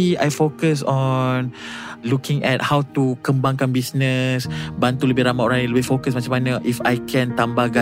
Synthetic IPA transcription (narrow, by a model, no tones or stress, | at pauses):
iajfokəsɔ̃nlukĩŋɛt̚hawt̪ukə̃mbãŋkanbisnəsbant̪uləbɪhɾamaʔɾanə̃ləbɪfokəsmat͡ʃãmanəʔifajkʰɛ̃nt̪ambahɡa